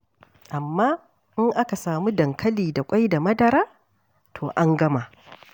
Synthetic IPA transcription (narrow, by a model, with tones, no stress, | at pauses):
ʔa˨mːaː˦ | ʔɪ˦ŋʔa˦ka˨saː˨mu˦dɐ˨ŋkʰɐ˦liː˨da˨kʷʼa˦jda˨mɐ˦dɐ˨ɾaː˦ | tʰoː˨ʔa˦ŋɡɐ˦ma˨ʔ